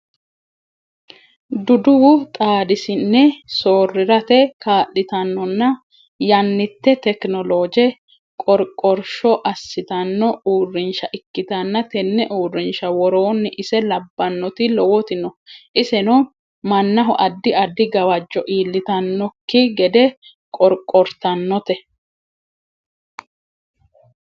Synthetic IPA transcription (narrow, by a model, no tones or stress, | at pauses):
d̪ʊd̪ʊwʊt̪ʼaːd̪ɪsɪnːɛsoːrːɪɾɐt̪ɛkaːʔɪt̪ɐnːɔnːɐ | jɐnːɪt̪ːɛt̪ɛknɔloːd͡ʒɛ | kʼɔɾkʼːɔɾʃɔʔɐsːɪt̪ɐnːɔuːrːɪnʃɐʔɪkːɪt̪ɐnːɐt̪ɛnːɛʔuːrːɪnʃɐwɔɾo̞ːnːɪʔɪsɛlɐbːɐnːɔt̪ɪlɔwɔt̪ɪnɔʔɪsɛnɔ | mɐnːɐɦɔʔɐd̪ːɪɐd̪ːɪɡɐwɐd͡ʒːɔʔiːlːɪt̪ɐnːɔkːɪɡɛd̪ɛ | kʼɔɾkʼːɔɾt̪ɐnːɔt̪ɛ